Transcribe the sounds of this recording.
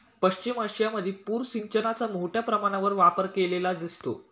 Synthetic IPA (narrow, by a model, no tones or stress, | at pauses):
pəɕt͡ɕiməɕijaməd̪ʱːjepuːɾsiɲt͡ɕənat͡samoʈjapɾəmaɽ̃aʋəɾʋapəɾkelelad̪ist̪o̰